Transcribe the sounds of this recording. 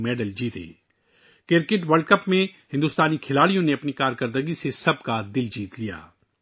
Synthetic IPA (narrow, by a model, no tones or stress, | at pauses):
mɛːɖəld͡ʒiːt̪ḛː | kɪɾkɪʈʋɐɾɖ̚kɐpmẽhɪ̃nd̪ʊːst̪aːnikʰɪlaːɽijõneɐpnikaːɾkɐɾd̪əɡisesɐb̚kad̪ɪld͡ʒiːt̪lija̰ː